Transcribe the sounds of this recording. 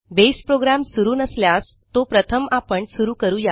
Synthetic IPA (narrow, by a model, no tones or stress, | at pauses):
bespɾoɡɾamsuɾuːnəsljas | t̪opɾət̪ʰəmapəɳsuɾuːkəɾuːja